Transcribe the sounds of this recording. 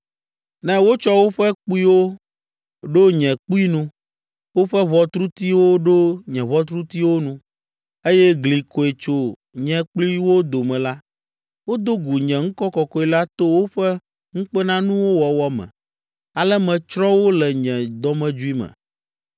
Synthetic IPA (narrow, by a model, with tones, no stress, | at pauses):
nɛ̃˦wo˦t͡ʃɔ˦wo˦ɸɛ˦k͡pu˦i˦wo˦ | ɖo˦ɲɛ̃˨k͡pu˦i˦nũ˦ | wo˦ɸɛ˦βɔ˨t̪ɾu˦t̪i˦wo˦ɖo˦ɲɛ̃˨βɔ˦t̪ɾu˦t̪i˦wo˦nũ˦ | e˦jɛ˦ɡli˨kʰo˨e˨t͡ʃo˦ | ɲɛ̃˨k͡pli˦wo˦d̪o˨mɛ̃˨la˦ | wo˦d̪o˦ɡu˨ɲɛ̃˨ŋ̩˦kɔ˦kɔ˨kɔ˦i˨la˦t̪o˦wo˦ɸɛ˦ | ŋ̩˦k͡pɛ˦nã˦nũ˦wo˦wɔ˨wɔ˦mɛ̰̃˨ | a˨lɛ˦mɛ̃˨t͡ʃɾɔ̃˦wo˦lɛ˨ɲɛ̃˨d̪ɔ˦mɛ̃˦d͡ʒu˦i˦mɛ̰̃˨